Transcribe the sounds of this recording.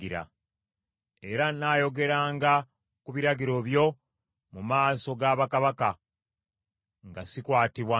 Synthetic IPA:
iɾa̰ | e̞ɾanaːjo̞ɡe̞ɾaːŋɡa | kuβiɾaɡiɾo̞βjo̞ | mumaːso̞ɡaːβakaβaka | ŋɡasikwaːtiβwa

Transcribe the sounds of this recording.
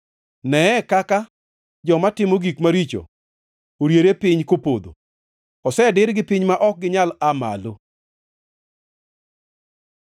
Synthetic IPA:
nɛɛkaka | d͡ʒɔmatɪmoɡikmaɾit͡ʃo̰ | oɾjeɾepɪɲkopod̪o̰ | ɔsɛdɪɾɡɪpɪɲmaʔɔk̚ɡɪɲalama̰lo

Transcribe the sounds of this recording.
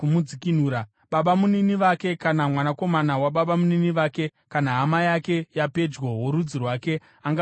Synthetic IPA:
umud͡zikin̤uːɾa | ɓaɓamuniniʋake̞kanamwanako̞manawaɓaɓamuniniʋaːke̞kanaɦamajake̞jape̞d͡ʒwoɦoɾud͡zirwaːke̞ | aŋɡa

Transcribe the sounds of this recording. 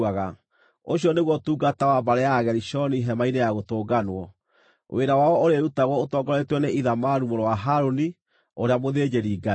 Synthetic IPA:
aɣa | oɕijɔneɣwɔtuːɡatawabaɾɛjaɣɛɾiʃɔniɦɛmainejaɣotoːɡanwɔ | wʔeɾawaɔʔoɾeɾutaɣwɔotɔɡɔɾetwɔneʔiðamaɾumoɾowaɦaɾoni | oɾeamoðed͡ʑeɾiːɡa

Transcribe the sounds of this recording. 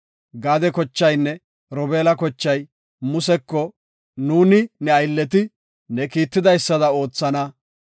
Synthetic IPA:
ɡaːd̪ɛkɔt͡ʃːɐjnːɛ | ɾɔbeːlɐkɔt͡ʃːɐj | mʊsɛkːɔ | nuːnɪnɛɐjlːɛt̪ɪ | nɛkiːt̪ːɪd̪ɐjsːɐd̪ɐo̞ːt͡sːɐnɐ

